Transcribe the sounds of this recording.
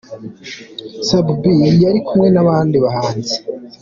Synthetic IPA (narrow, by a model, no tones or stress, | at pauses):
sabubijaɾikumŋe̞naβaːndiβaɦaːnze̥